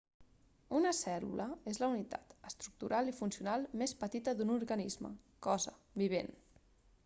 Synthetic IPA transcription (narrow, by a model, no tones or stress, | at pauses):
unəsɛlṵləezləunit̪a̰t̪əst̪ɾuk̚t̪uɾʔalˠifunsiunalˠmespət̪it̪əðunuɾɣənizmə̰ | kɔzəbiβ̞en